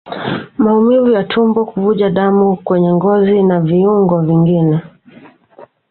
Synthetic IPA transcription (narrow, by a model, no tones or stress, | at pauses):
maumivujatʰumbɔkuvuʄaɗamukwɛɲɛŋɡɔzinaviuŋɡɔviŋɡinɛ